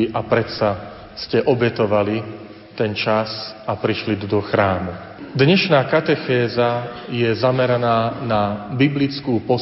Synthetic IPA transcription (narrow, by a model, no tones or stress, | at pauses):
ʔapɾɛt̪sa | scɛʔɔbɛt̪ɔʋali | t̪ɛnt͡ʃasapɾiʃlid̪d̪ɔxɾaːmu | d̪ɲɛʃnaːkat̪ɛxɛːzajɛzamɛɾanaːnabiblit͡skuːpɔ